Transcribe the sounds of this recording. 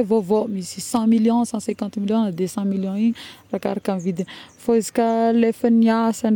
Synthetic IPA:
vovomisisɑ̃miljɔ̃sɑ̃sɛ̃kɑ̃nt̪miljɔ̃nd̪esɑ̃miljɔ̃iɲraka̰ɾakamivid̪ifoizi̥kʲəlefəniasan

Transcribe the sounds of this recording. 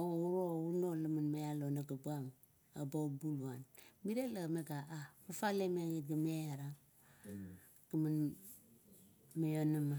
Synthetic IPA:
ouɾounolamanmajalonaɡabam | abaubuluanmiɾelameɡaapafalemeŋit̚ɡameaɾa | ɡ̥aman | majonama

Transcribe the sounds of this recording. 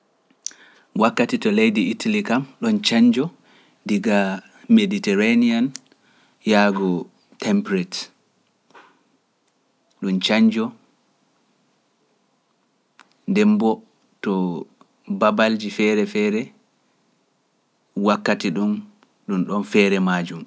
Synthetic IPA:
wakːatitɔlejdiitalikamɗɔnt͡ʃaɲd͡ʒɔ | diɡa | meditɛɾanian | jaɡɔ | tʰɛmpɾɛt | ɗɔnt͡ʃaɲd͡ʒɔ | ndɛmbɔ | tɔ | babald͡ʒifɛːɾɛfɛːɾɛ | wakːatiɗun | ɗunɗɔnfɛɾɛmad͡ʒum

